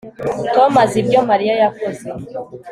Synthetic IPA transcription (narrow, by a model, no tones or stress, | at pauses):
tomazib̚jomaɾiajakoze